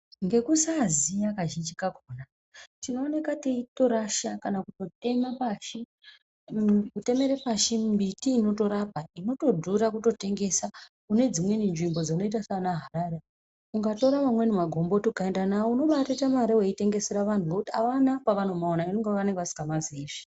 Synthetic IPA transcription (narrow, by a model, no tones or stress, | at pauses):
ŋɡe̞kusazijakaʒind͡ʒikaɡʱoːna | tino̞ːne̞kateito̞ɾaʃakanakuto̞te̞mapaʃi | kute̞me̞ɾepaʃimbitiːno̞to̞ɾap̚aino̞to̞dʱuɾakuto̞te̞ŋɡe̞sa | kune̞d͡zimwe̞ninʐimbo̞d͡zano̞it̬asanaɦaɾaːɾe | uŋɡato̞ɾamamwe̞nemaɡʱo̞mbo̞tokaendanaouno̞ɓatatamaɾeweite̞ŋɡe̞se̞ɾaʋantuɡekutia̰ʋanakwaʋan̤o̞maonainoŋɡeʋaneŋɡʋasi̥kamaziːʐi̥